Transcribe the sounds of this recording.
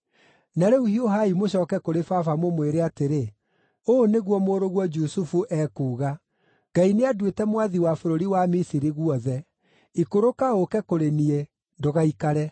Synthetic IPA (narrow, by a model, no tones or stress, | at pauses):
naɾeuhioɦaimoɕɔːkɛkoɾefafamomweɾeateɾe | oːneɣwɔmoɾoɣwɔd͡ʒusufuʔɛːkuːɣa | ɡ̥aineadwetɛmwaðiwafoɾoɾiwamisiɾiɣwɔðɛ | ikoɾokaokɛkoɾenie | ndoɣaikaɾɛ